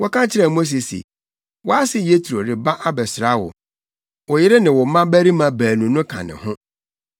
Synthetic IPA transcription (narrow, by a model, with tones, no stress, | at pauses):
wɔ˦kã˦t͡ɕʰɪ˦ɾɛ˨mo˦s̬e˨sḛ˨ | wɔ˦a˦sɪ˦je˦tʰu˨ɾo˨ɾɪ˨ba˦ʔa˦bɛ˨sɾa˦wʊ̰˨ | wɔ˨jɪ˦ɾɪ˦nɪ̃˨wɔ˨˦mã˦bæ˦ɾi˦mã˨bæː˨nũ˨nʊ̃˦kʰã̰˨nɪ̰̃˨hʊ̃˦